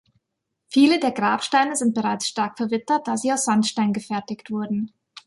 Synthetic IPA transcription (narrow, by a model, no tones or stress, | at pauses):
fiːlədeːɐɡʁaːpʃtaɪnəzɪnt̚b̥əʁaɪt͡sʃtaɐkfɛɐvɪtɐt̚d̥aːz̥iːaʊsz̥antʃtaɪnɡəfɛɐtɪçtv̥ʊɐdn̩